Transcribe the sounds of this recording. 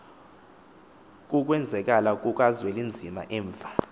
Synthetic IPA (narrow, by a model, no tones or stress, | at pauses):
k̬ʼuk̬ʼwɛnd͡zʱɛk̬ʼalakʼuk̬ʼazwelind͡zʱima̰ʔɛːɱvʱa